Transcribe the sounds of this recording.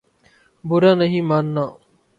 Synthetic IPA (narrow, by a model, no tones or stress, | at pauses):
bʊɾaːnəɦĩːmaːnːaː